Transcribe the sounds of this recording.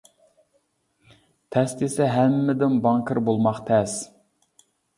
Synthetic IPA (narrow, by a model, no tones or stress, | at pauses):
t̪ʰɛst̪esɛɦæmːɪd̪ɪnbɑŋkʰəɾbolˠmɑχt̪ʰɛs